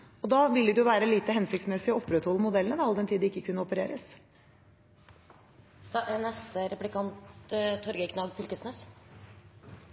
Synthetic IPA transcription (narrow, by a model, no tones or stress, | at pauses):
ɔd̪ɑːʋɪlːəd̪ʉʊʋæːɾəliːt̪əhɛnsɪkt̪smɛsɪɔɔpːɾət̪hɔlːəmʊd̪ɛlənəd̪ɑld̪ɛnt̪ʰiːd̪ɪkːəkʰʉnːəɔpəɾeːɾəs | d̪̥ɑʔænɛst̪əɾɛplɪkʰɑnt̪t̪ʰːɔɾɡəkʰnɑɡpʰʏlk̪əsmɛs